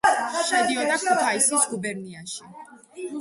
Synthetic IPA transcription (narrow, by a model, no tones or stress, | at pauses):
ʃɛd̪iɔd̪akʰut̪ʰaisisɡubɛɾniaʃi